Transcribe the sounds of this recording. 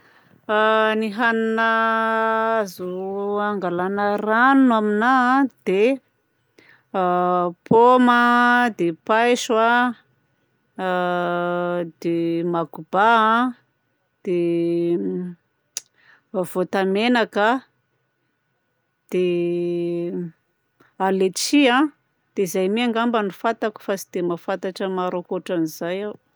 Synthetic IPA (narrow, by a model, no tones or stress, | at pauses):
aniɦaninə | azuaŋɡalanəranunaminãd̪̥e | pʰoməd̪epajʃa | d̪̥emakuba | d̪̥e | v̥ot̪amenakə | d̪̥e | alet͡siã | d̪̥eizajmiaŋɡambanifat̪aku̥fasi̥d̪̥emafant̪aʈ͡ʂəmaɾokoʈ͡ʂanizajaw